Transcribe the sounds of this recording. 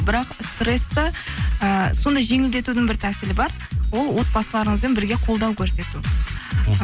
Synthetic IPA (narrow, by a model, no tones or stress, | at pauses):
bɪɾɑqst̪re̞st̪əəso̞nd̪ɑjʒe̞ŋɪld̪e̞t̪ud̪ɪŋbɪɾt̪ʰæsɪlɪbɑɾ | wo̞lˠwo̞t̪̚bɑsəlˠɑɾəɴəzenbɪɾɡʲe̞qʰo̞lˠd̪ɑwkʲʰɵɾse̞t̪u